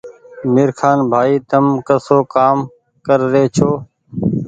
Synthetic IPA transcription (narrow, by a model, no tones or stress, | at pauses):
mɪːɾkʰaːnbʱaːiːt̪əmkəsoːkaːm | kəɾːeːt͡ʃʰoː